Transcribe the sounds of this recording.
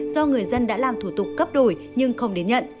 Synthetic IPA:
z̥ɔ˧ŋɨ˨˩əjzə˧nɗa̰ː˧˥laː˨˩mt̪ʰu˧˩t̪ʊ˨˩k͡p̚kə˦˥p̚ɗo˧˩j | ɲɨ˧ŋxə˧wŋ͡mɗe˨˦nɲə̰˧˨n

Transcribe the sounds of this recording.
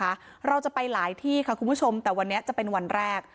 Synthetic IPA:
a˦˥ | ɾa˧wt͡ɕa˨˩pa˧jlaː˨˩˦jt̪ʰiː˥˩kʰa˥˩kʰu˧nbu˦˥˩t͡ɕʰo˧mt̪ɛː˨˩wa˧nːi˦˥ɐt͡ɕa˨˩pe˧nwa˧nɾɛː˥˩k̚

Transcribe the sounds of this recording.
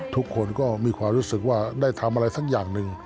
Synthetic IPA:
t̪ʰu˦˥kʰːo˧nkɔː˥˩miː˧kʰwaː˧mɾuː˦˥sɯ˨˩k̚waː˥˩daː˥˩jt̪ʰa˧mʔa˧ɾa˧jsʰa˦˥k̚jaː˨˩ŋnɯ˨˩ŋ

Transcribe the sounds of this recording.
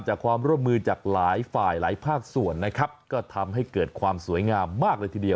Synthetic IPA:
t͡ɕaː˨˩kʰwaː˧mɾu˥˩əmːɯː˧t͡ɕaː˨˩k̚laː˩˦jfaː˨˩jlaː˩˦jpʰaː˥˩k̚su˨˩ənːa˦˥kʰa˦˥p̚kɔː˥˩t̪ʰa˧mɦa˥˩jkɤː˨˩t̪̚kʰwaː˧msu˨˩˦jŋaː˧mːaː˥˩k̚lɤː˧jt̪ʰiː˧˩di˧əw

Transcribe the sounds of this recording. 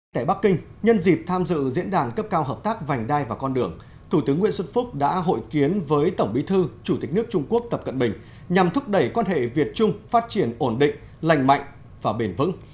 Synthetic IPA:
t̪aː˧˩ɓa˦˥kːï˧ŋ̟ɲə˧nzi˨˩p̚t̪ʰaː˧mzɨ̰˧˨zḭ˧˥ənɗaː˨˩nkə˦˥p̚kaː˧wɦəː˨˩p̚t̪aː˦˥k̚va˨˩jŋ̟ɗaː˧jvaː˨˩kɔ˧nɗɨ˨˩əŋ | t̪ʰu˧˩t̪ɨ˨˦əŋw̰ənswə˦˥t̚fʊ˦˥k͡p̚ɗa̰ː˧˥ɦo̰˧˨jki˨˦ənvəː˨˦jt̪ə˧˩wŋ͡mɓi˨˦t̪ʰɨ˧t͡ɕu˧˩t̪i˨˩k̟̚nɨ˦˥ək̚t͡ɕʊ˧ŋ͡mku˦˥ək̚t̪ə˨˩p̚kə˧˨nɓï˨˩ŋ̟ | ɲa˨˩mt̪ʰʊ˦˥p̚ɗə˧˩jkwaː˧nɦḛ˧˨vi˨˩ət̚t͡ɕʊ˧ŋ͡mfaː˦˥t̚t͡ɕi˧˩ənʔo˧˩nɗḭ̈˧˨ŋ̟ | la˧˩jŋ̟ma̰˧˨jŋ̟ | vaː˨˩ɓe˧˩nvɨ̰˧˥ŋ

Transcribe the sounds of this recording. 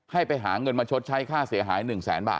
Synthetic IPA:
ha˥˩jpa˧jɦaː˩˦ŋɤ˧nmaː˧t͡ɕʰo˦˥t̪̚t͡ɕʰa˦˥jkʰaː˥˩si˩˦ɐɦaː˩˦jnɯ˨˩ŋsɛ̰ː˩˦nba̰ː˨˩

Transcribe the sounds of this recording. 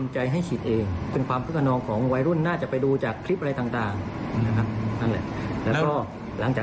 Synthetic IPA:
mt͡ɕa˧jɦa˥˩jt͡ɕʰi˨˩t̪̚ʔeː˧ŋpe˧ŋkʰwaː˧mkʰɯ˦˥˩kʰːa˧nɔː˧ŋkʰɔː˩˦ŋwa˧jɾu˥˩nːaː˥˩t͡ɕa˨˩pa˧jduː˧t͡ɕaː˨˩kʰːɾi˦˥p̚ʔa˧ɾa˧jt̪aː˨˩ŋt̪aː˨˩ŋa˧kʰa˦˥p̚na˥˩lɛ̰˨˩ʔlɛː˦˥wkɔː˥˩ | la˩˦ŋt͡ɕaː˨˩

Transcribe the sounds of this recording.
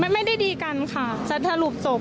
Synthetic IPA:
m˥˩jma˥˩jda˥˩jdiː˧ka˧nkʰa˥˩sa˨˦˥t̪̚ʰːa˧lu˨˩p̚so˨˩p̚

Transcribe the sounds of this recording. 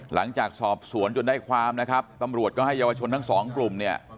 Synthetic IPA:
la˩˦ŋt͡ɕaː˨˩k̚sɔː˨˩p̚su˩˦ənt͡ɕo˧ndaː˥˩jkʰwaː˧mna˦˥kʰa˦˥p̚t̪a˧mɾu˨˩ət̪̚kɔː˥˩ɦa˥˩jːaː˧waː˧t͡ɕʰo˧nt̪ʰa˥˩ŋsɔː˩˦ŋklu˨˩mni˥˩ɐ

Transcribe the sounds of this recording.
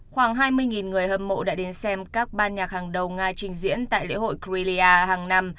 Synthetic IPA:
xwaː˧˩ŋɦaː˧jmɨ˧əjŋi˨˩nŋɨ˨˩əjɦəː˨˩mmo̰˧˥ɗa̰ː˧˥ɗe˨˦nsɛ˧mkaː˦˥k̚ɓaː˧nɲaː˨˩k̚haː˨˩ŋɗə˨˩wŋaː˧t͡ɕï˨˧ŋ̟zḭ˧˥ənt̪a̰ː˧˨jlḛ˧˥ho̰˧˨jki˧li˧aː˧ɦaː˨˩ŋna˧m

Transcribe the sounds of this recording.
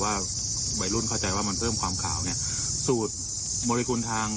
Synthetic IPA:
waː˥˩ | wa˨˩jlu˥˩nkʰa˥˩wt͡ɕa˧jwaː˥˩ma˧npʰɤː˥˩mkwaː˧mkʰa̰ː˩˦wni˦˥˩ɐ | suː˨˩t̪̚ | mɔː˧ɾi˧kuː˧nt̪ʰaː˧ŋ

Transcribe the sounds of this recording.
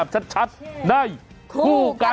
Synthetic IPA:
p̚t͡ɕʰa˦˥t̪̚t͡ɕʰa˦˥t̪̚na˧˩j | kʰuː˧ka˧

